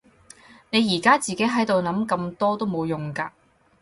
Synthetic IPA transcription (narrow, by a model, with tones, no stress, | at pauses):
ne˨˧jːiː˨˩kaː˥t͡siː˨ke˨˥jɦɐ˨˥jt̪o˨wnɐ˨˥mkɐ˧mt̪ɔː˥t̪o˥wmo˨˧wjʊ˨ŋkaː˧